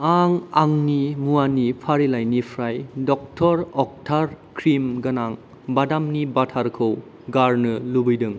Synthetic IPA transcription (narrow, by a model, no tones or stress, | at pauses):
aŋaŋnimuanipʰaɾilajnipʰɾajdɔk̚tʰɔɾɔk̚tʰaɾkʰɾimɡɐnaŋ | badamnibatʰaɾkʰɯw | ɡaɾnɯlubɯjdɯŋ